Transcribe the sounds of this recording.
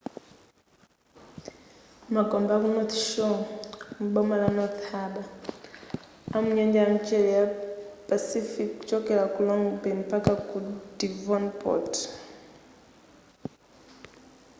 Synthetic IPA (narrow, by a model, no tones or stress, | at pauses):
maɡɔmbakunɔt̪ʃɔm̩ɓɔmalanɔt̪haɓa | amuɲɛɲd͡ʒaam̩t͡ʃɛlijapasifikt͡ʃɔkɛlakulɔŋbɛmpakakudivɔnpʰɔ̰t